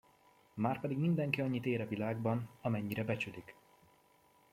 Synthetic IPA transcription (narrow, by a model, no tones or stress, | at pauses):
maːrpɛd̪iɡmind̪ɛŋkiɒɲːit̪eːɾɛvilaːɡ̚bɒnɒmɛɲːiɾɛbɛt͡ʃylik